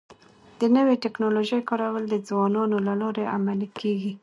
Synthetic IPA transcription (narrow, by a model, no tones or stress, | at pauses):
d̪̥ənəweʈɪknoloʒəjkɑɾawəld̪əd͡zwɑnɑnolalɑɾeʔamalikʰeɡi